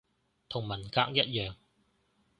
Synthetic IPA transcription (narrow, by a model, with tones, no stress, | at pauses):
t̪ʰʊ˨˩ŋmɐ˨˩nkaː˧k̚jɐ˥t̚jœː˨ŋ